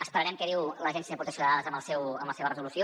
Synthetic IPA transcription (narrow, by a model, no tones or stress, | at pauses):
əspəɾəɾɛmkɛðiwləʒɛnsiepɾut̪əsjunaaðəzəməlˠsɛwəmbləseβərəzulusio